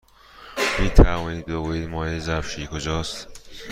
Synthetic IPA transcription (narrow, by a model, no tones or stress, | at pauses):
miːt̪ʰævɒːniːd̪̚boɣuiːd̪mɒːjezæbʃiːkʰod͡ʒɒːst̪